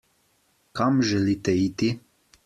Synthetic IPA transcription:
kamʒɛliːt̪ɛit̪i

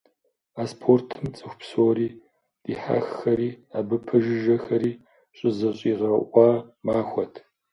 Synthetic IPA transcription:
aːspʰortʰɨmt͡sʼɨxʷpsoːɾiː | d̥iːħa̰ːxxɐɾiːaːbɨpʰɨʒɪʒɐxɐɾiː | ɕʼɪzɨɕʼiːʁɐʔʷʼɑmaːxʷɔtʰ

